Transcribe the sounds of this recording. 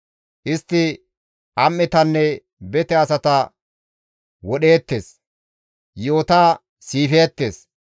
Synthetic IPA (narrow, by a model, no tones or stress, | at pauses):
ʔɪst̪ːɪ | ʔɐmːɪt̪ɐnːɛ | bɛt̪ɛɐsɐt̪ɐ | wɔɗe̞ːt̪ːe̞ːs | joːt̪aː | siːfeːt̪ːe̞ːs